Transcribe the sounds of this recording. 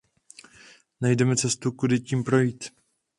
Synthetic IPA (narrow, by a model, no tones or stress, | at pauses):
najdɛmɛt͡sɛst̪ukudɪciːmpɾo̞jiːt̪